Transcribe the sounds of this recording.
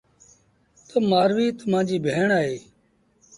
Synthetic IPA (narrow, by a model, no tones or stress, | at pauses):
t̪oːmaːɾʋiːt̪əmãːd͡ʒiːbʱeːɳaːɦeː